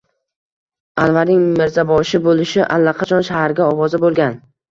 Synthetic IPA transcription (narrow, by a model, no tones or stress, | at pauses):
anvaɾnɪŋmɪɾzabɒʃɪbolɪʃɪʔa̰lːaqʰɑt͡ʃʰɒnʃahaɾɡʲaɒwɒzabolˠɡʲan